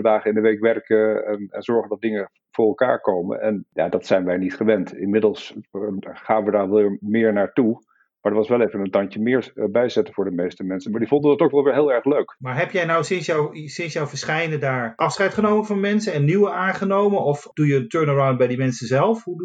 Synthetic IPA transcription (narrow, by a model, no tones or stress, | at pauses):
ədaːχəɪndəʋejkʋɛrkəɛnɛnz̥ɔɹχəndɑt̚dɪŋə | vʊːɹɛlˠka̰ːɹkowmə̰nɛnja̰ːdɑtsɛjnʋɛjnitχəʋɛntɪ̰nmɪdəl̩ˠs | χaːnʋədaːɹʋmɪːɹnaːɹtu | maːɹdəɹʋɑsʋɛlˠejvənəntɑncəmɪːɹbɛjzɛtəvʊːɹdəmejstəmɛnsənmaːɹdivɔndəndɑtowkʋɛlˠʋɪːɹˠɦɪːlˠɛɹχløɥkmaːɹɦɛpjɛjnawsɪnsjawsɪnsjɔwvəɹsχɛjnədaːɹʔɑfsχɛjtχənowmənvɑnmɛnsənɛnːiwəaːnχənowmənɔfd̥ujəːntøːɹnəɹawnt̚bɛjdimɛnsəzɛlˠfɦud